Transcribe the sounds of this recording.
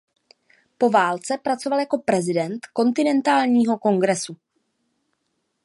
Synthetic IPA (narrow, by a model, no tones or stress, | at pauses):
po̞vaːlt͡sɛpɾat͡so̞valjako̞pɾɛzɪdɛnt̪ko̞nt̪ɪnɛnt̪aːlɲiːɦo̞ko̞ŋɡɾɛsu